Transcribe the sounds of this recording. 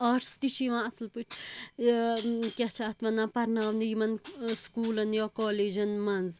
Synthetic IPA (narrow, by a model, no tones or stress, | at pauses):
ɐːɾst̪it͡ʃʰiʋãːɐslpɨʈʰ | kʲat͡ʃʰaːt̪ʋɐnãːpɐɾnaːʋniimɐnskuːlɐnjoːkoːleːd͡ʒɐnmɐnz